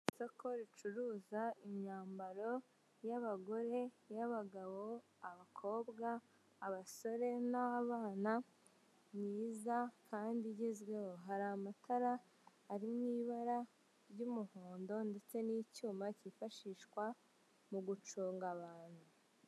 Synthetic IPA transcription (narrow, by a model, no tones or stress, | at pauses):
isokʰo̞ɾit͡ʃuɾuːzaiɲɲaːmbaɾo̞ | jaβaɡo̞ɾe̞ | jaβaɡaβo̞ | aβakʰo̞ːbɡaː | βaso̞ɾe̞naaβaːna | mɲiːzakʰaːndiɟezɡwe̞ho̞ɦaɾamataɾaː | ɾimɲiːβaɾa | ɾɟumuhoːndo̞nde̞t͡se̞nicuːmacifaʃiʃkwa | muɡut͡ʃuːŋɡaβaːn̥hu